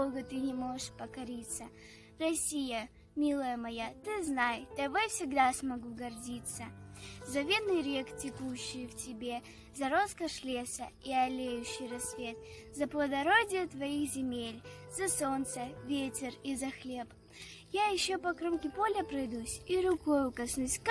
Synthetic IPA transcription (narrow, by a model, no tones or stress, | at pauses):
oɡət̪ɨnʲɪmo̞ʐɨʂpəkɐɾʲit̪sə | rɐsʲijə | mʲilˠəjəmɐjat̪ɨznajt̪ɐvojfsʲɪɡd̪asmɐɡuɡɐrdʲit̪səzɐvʲenːɨjɾʲektʲɪkuɕːɪjftʲɪbʲe | zɐɾoskəʂlʲesə̰iɐlʲejʉɕːɪjrɐsvʲe̞t̪zɐplˠəd̪ɐɾodʲɪjət̪vɐixzʲɪmʲelʲzɐso̞nt̪səvʲetʲɪrizɐxlʲe̞p | jajɪɕːopɐkɾomkʲɪpolʲəpɾɐjd̪usʲiɾʊkojʊkɐsnusʲk